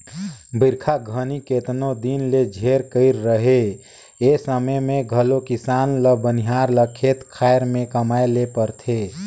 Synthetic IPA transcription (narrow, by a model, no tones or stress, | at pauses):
biɾkʰaɡʱəniket̪nod̪inled͡ʒʱeɾkəɪɾːəɦe | esəməjmẽɡʱəlokisaːnləbəniɦaɾləkʰet̪kʰajɾmẽkəmaelepəɾt̪ʰe